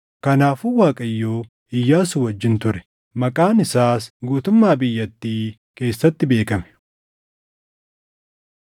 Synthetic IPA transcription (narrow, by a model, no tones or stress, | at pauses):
kɐnaːfʊwaːkʼɐjːoː | ɪjːaːsʊwɐd͡ʒːɪnt̪ʊɾɛ̥ | mɐkʼaːnɪsaːsɡuːt̪ʊmːaːbɪjːɐt̪ːiː | ke̞ːsːɐt̪ːɪbe̞ːkɐmɛ̥